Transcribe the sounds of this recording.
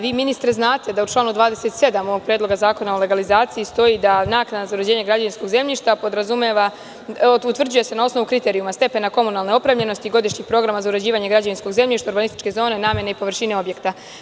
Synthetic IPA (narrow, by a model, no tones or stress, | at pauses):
ʋiːminist̪ɾeznaːt̪e̞d̪aut͡ʃlˠaːnud̪ʋaːd̪ese̞t̪se̞d̪amo̞ʋoɡ̚pɾjedlo̞ɡazaːko̞naole̞ɡalizaːt̪siist̪o̞jid̪anaknad̪nazauɾed͡ʑe̞ːɲe̞ɡɾad͡ʑaʋinsko̞ɡze̞mʎiʃt̪apo̞d̪ɾazumeʋa | ut̪r̩d͡ʑuje̞se̞nao̞sno̞ʋukɾit̪e̞ːɾijumast̪e̞pe̞nako̞munalˠneo̞pɾemʎe̞no̞st̪iɡo̞d̪iʃɲixpɾo̞ɡɾamazauɾed͡ʑiːʋaɲe̞ɡɾad͡ʑaʋinsko̞ɡze̞mʎiʃt̪auɾbanist̪it͡ʃke̞zo̞ːne̞naːmje̞neipo̞ʋr̩ʃineo̞bje̞kt̪a